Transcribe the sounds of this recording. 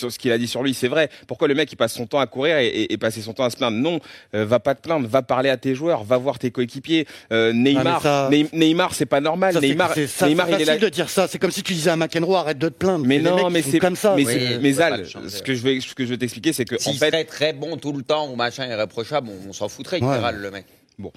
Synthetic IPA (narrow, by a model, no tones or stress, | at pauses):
ssə̥kʲilad̪isyʁlɥisɛvʁɛpuʁkwaləmɛkʲːi̥pasːɔ̃t̪ɑ̃akuʁiʁeʔeʔːpasesɔ̃t̪ɑ̃asə̥plɛ̃d̪ʁnɔ̃øvapad̪əplɛ̃t̪vapaʁleat̪eʒwœʁvavwaʁt̪ekoekʲipjeønɛjmaʁanɛjmaʁsɛpanɔʁmalnɛmaʁsnɛjmaʁialɛslid̪əd̪iʁsasɛkɔmsit̪yd̪izɛɛ̃makɛnʁoaʁɛt̪̚d̪ət̪ə̥plɛ̃d̪ʁmɛnɔ̃ɛ̃mɛsɛkɔmsamɛsɛmɛzal | sə̥kəʒəvøsə̥kəʒəvøt̪ɛksplikʲesɛkəɑĩfɛt̪ɛt̪χɛbɔ̃t̪ulət̪ɑ̃umaʃɛ̃ɛʁepχɔʃablɔ̃ːsɑ̃fut̪χɛeʁalːəmɛk | bɔ̰̃